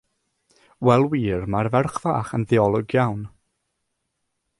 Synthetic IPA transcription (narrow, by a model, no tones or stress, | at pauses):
wɛlˠwiːrmarvɛrχva̰ːχənðɪɔlˠɔɡjawn